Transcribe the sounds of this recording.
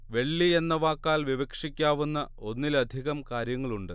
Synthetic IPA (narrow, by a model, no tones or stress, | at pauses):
ʋe̞ɭːie̞nːɐʋaːkːaːlʋiʋɐkʂikʲːaːʋunːɐ | o̞nːilɐd̪ʱiɣɐmkaːɾjɐŋːɐɭuɳɖɨ